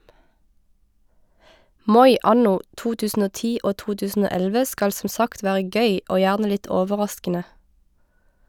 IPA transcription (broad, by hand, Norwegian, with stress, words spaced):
ˈmɔʏ ˈʔɑnʊ ˈʔtuː ˈtʉːsn̩ ˈoː ˈtiː ˈʔoː ˈtuː ˈtʉːsn̩ ˈoː ˈɛlʋə ˈskɑl sm̩ ˈsɑkt ˈʋæːʁə ˈɡœʏ ˈʔoː ˈjæːʁnə ˈlɪt ˈoːʋəˌʁɑskənə